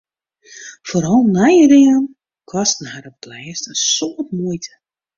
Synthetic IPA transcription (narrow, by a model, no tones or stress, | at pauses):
foɾɔlˠnajəɾiən | kʰɔstn̩haɾəplɛːstənsoətmuəjtʰə̥